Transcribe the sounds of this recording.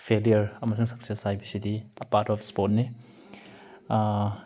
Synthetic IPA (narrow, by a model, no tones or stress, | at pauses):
pʰelijɐɾɐmɐsuŋsɐk̚sesajbisidiɐpaɾtɔpʰspɔt̚ni